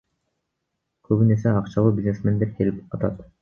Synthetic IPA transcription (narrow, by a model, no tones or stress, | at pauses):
kʰøβyne̞seɑqt͡ʃɑlˠuːbʲizne̞sme̞nd̪eɾkʰelip̚ɑt̪ɑ̰t̪